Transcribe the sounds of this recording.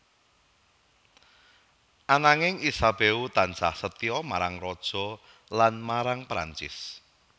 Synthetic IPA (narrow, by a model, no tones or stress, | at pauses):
ʔanaŋɪŋisab̥eut̪ansahsət̪iɔmaɾaŋrɔd̥ʒ̥ɔ̤ | lanmaɾaŋpɾa̰ɲt͡ʃɪ̰s